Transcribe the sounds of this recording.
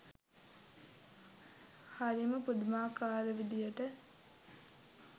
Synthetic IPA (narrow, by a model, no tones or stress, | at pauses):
haɾiməpud̪maːkaːɾəʋid̪ijəʈə